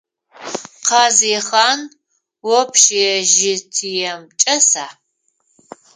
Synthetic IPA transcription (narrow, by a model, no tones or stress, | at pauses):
qʰɑːzeːχaːn | wɔpʰʃijɛʒɪtʰijɛmt͡ʃʼɐsaː